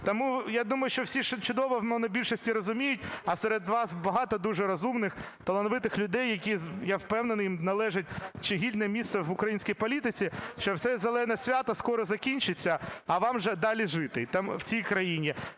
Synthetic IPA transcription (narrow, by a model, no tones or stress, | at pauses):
t̪ɔmujad̪umɐjʊʃt͡ʃɔwsʲiʃt͡ʃʊd̪ɔʋɔwnɔnɐbʲilʲʃɔsʲtʲiɾɔzʊmʲijʊtʲɐseɾed̪ʋɑsbɐɦɑt̪ɔd̪uʒɛɾɐzumnɪx | t̪ɐlˠɐnɔʋɪt̪ɪxlʲʊd̪ɛjːɐkʲijawpɛwnenɔjimnɐlˠɛʒɪt̚ʲt͡ʃɪɦʲid̪ʲnɛmʲist̪sɛʋʊkɾɐjinʲsʲkijpɔlʲit̪ɪt͡sʲiʃt͡ʃɔwsɛzelˠɛnɐsʲʋʲat̪ɐskɔɾɔzɐkʲinʲt͡ʃɪt͡sʲːɐɐʋɑmʒɛd̪ɑlʲiʒɪt̪ɪt̪amwt͡sʲijkɾɐjinʲi